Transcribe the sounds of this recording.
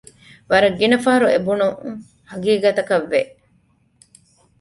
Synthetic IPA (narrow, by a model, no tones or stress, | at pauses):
ʋɐɾɐɡːinɐfɐɦɐɾuebunuŋ | hɐɡiːɡɐt̪ɐkɐʋːeʔ